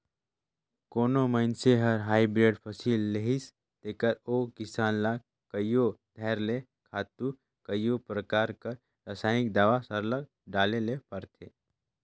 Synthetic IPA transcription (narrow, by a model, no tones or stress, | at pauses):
koːnoməɪnseɦɐɾɦaːibɾeːɖpʰɔsiːlːeɦɪs | t̪eːkəɾoːkɪsaːnlaː | kəjod̪ʱɛːɾle | kʰaːt̪ũ | kəjopɾəkaːɾkəɾ | ɾəsaːɪk̚d̪aːʋasəɾləɡ̚ | ɖaːlelepɐɾt̪ʰḛː